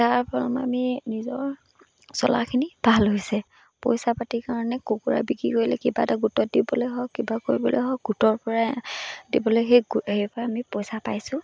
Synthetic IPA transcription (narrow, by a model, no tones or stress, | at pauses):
taɹpɔɔma̰minizɔɹ | sɔ̰la̰kʰinib̥ʱalɦojsɛ | pɔjsapatikaɹɔnɛkukuɹa̰biɡɹḭkoɹilɛkibataɡutɔt̚dibɔlojɦɔkːibakoɹibɔ̰lo̰jɦɔɡutɔɹpɔɹadibɔloɦeɡejpɔɹaːmipɔjsapajsʊ̃